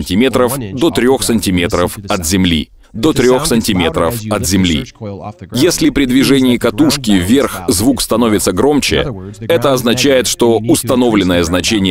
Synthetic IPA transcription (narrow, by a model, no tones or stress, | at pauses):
nʲtʲɪmʲe̞t̪ɾəfd̪ot̪ɾʲo̞xsənʲtʲɪmʲe̞t̪ɾəfɐt̪zʲɪmlʲḭ | d̪o̞t̪ɾʲo̞xsənʲtʲɪmʲe̞t̪ɾəfɐt̪zʲɪmlʲḭ | jesʲlʲɪpɾʲɪd̪vʲɪʐɛnʲɪːkɐt̪uʂkʲɪvʲːerxzvukst̪ɐno̞vʲɪt̪səɡɾo̞mt͡ɕɪ̰ɛt̪əɐznɐt͡ɕæjɪt̪ʂt̪o̞ʊst̪ɐno̞vlʲɪnːəjəznɐt͡ɕenʲɪj